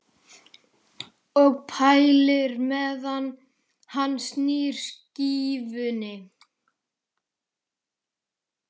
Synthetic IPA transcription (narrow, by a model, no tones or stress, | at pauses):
ɔɣpʰajlɪɾmɛðanː | hanːsniːɾ̥sciːvʏnɪ